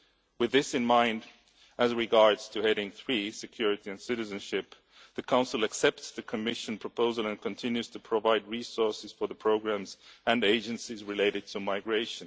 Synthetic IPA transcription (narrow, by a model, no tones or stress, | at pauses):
wɨðɪsɨ̃nmãɪ̃nd | ɨzɹɨɡɑɹdz̥tʰɨhɛɾɪ̃ŋθɹisɨkʰj̥ʊɹɨɾiɨ̃nsɪɾɨzɨ̃nʃɪp | ðɨkʰãʊ̃nsl̩ˠəksɛp̚tsðɨkʰɨmɪʃɨ̃npʰɹ̥əpʰoʊzəlˠɨ̃nkʰɨ̃ntʰɪ̃njʉz̥tʰɨpʰɹ̥əvaɪd̚ɹisɔɹsɨz̥fə˞ðəpʰɹ̥oʊɡɹæ̃mzɨ̃neɪd͡ʒɨ̃nsizɹɨleɪɾɨd̚tʰɨmaɪɡɹeɪʃɨ̃n